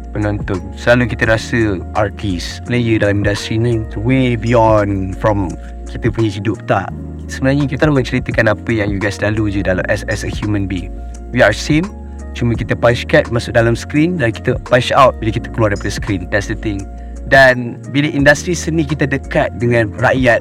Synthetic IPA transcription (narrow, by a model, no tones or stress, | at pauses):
pənɔ̃nt̪ʊnsəlalukit̪əɾasəʔa̰t̪ʰisplejədalamĩndast̪ɾinãmt̪uwebijɔnfɹɔ̃m | kit̪əpuɲə̃sidʊp̚t̪a̰ʔ | səmənaɲəkit̪alumə̃t͡ʃəɾit̪əkanapəjaŋjuɡajsdalud͡ʒədala̰mʔɛsɛsəhjumə̃nbiŋ | wiaɹsem | t͡ʃuməkit̪əpaʃkat̪̚masʊʔ̚dalamsə̥kɾindaɾiki̥t̪əpaʃawt̚biləkit̪ə̥kəluaɾdajpadəsə̥kɾindɛtsdət̪ɪŋ | dan | biləʔindast̪ɾisənĩkit̪ədəkat̪̚dəŋãnrajat̪̚